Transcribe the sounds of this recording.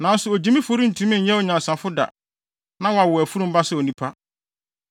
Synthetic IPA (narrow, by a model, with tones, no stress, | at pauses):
nã˨n˦sʊ˨o˨d͡ʑĩ˨˦mĩ˦fo˦ɾĩ˦n̩˨tʰũ˨˦mĩ˦ɲ˦ɲɛ̃˦o˨ɲã˨sã˨fʊ˦da̰˨ | nã˦wa˨wʊ˨æ˨fu˦ɾũ˦m˦ba˦sɛ˦o˨nĩ˦pʰa˦